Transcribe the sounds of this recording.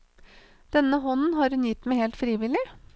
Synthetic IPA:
d̪̥ɛnːəɦɔnn̩ɦɑɾhʉnjɪt̪ːmæɪheːlt̪fɾiːʋɪlɪ

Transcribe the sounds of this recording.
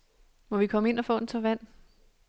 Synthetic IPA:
mɒ̽ʋikʰɒ̽məe̝nɒfɔ̰̽ːd̥en̩t͡sʰɒʋæn̰

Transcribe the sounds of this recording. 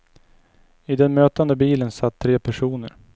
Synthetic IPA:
ɪd̪ɛnmøːt̪and̪əbiːlənsat̪ʰːɾeːpʰæʂuːnə̰ɾ

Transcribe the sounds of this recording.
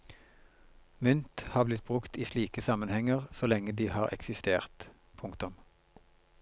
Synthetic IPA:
mʏnt̪hɑːʁblɪt̪̚bʁʉkt̪iːsliːkəsɑmənhɛŋəʁsolɛŋəd̪iːhɑːʁʔɛ̰ksɪst̪eːʁt̪ | pʰʊŋkt̪ʊm

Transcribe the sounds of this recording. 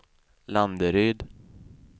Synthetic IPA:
land̪əɾyːd̪

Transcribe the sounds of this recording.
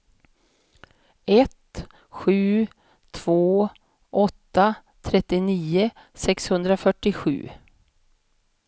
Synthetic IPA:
ɛt̪ | ɧʉ̟ː | t̪ʰv̥oː | ʔɔt̪ːa | t̪ʰɾɛt̪ːɪniːə | sɛkshɵnd̪ɾafœʈːɪɧʉ̟̰ː

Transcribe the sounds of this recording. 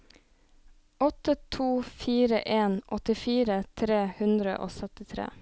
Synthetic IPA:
ɔt̪ət̪ʰuːfiːɾə̰ʔeːnʔɔt̪ɪfiːɾət̪ʰɾeːhʉnd̪ɾə̰ʔo̰ːsœt̪ɪt̪ʰɾḛː

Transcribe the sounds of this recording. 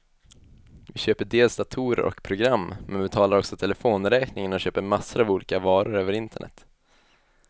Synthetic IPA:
vɪɕøːpəɖeːlsd̪at̪ʰuːɾə̰ɾʔɔ̰kpʰɾʊɡɾamːmɛnbɪt̪ʰɑːlaɾɔksɔt̪ʰɛlɛfoːnɾɛːknɪŋənɔɕøːpəɾmasːəɾavuːliːkavɑːɾʊɾøːvəɾɪnt̪ʰəɳʔɛ̰t̪ː

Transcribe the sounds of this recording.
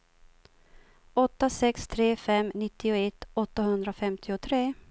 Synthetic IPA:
ɔt̪ːasɛkst̪ʰɾeːfɛmnɪt̪ːɪʊɛt̪ːɔt̪ːaɦɵnd̪ɾafɛmt̪ʰɪʊt̪ʰɾeː

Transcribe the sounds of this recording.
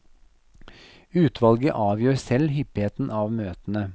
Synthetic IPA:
ʉːt̪ʰʋɑlɡə̰ʔɑːʋjøːɾsɛlhʏpheːt̪n̩ɑːʋmøːt̪ən̩ə

